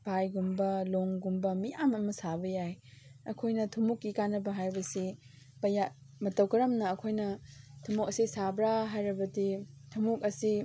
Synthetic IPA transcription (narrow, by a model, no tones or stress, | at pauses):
b̥ajɡumbɐloŋɡumbɐmijamɐmɐsabɐjajɐ̰kʰojnɐtʰumukːikanːɐbɐɦajbɐsi | bɐja | mɐtɐwkɐɾɐmnɐːkʰojnɐtʰumuk̚ɐsisabɾaɦajɾɐbɐdi | tʰumuk̚ɐsi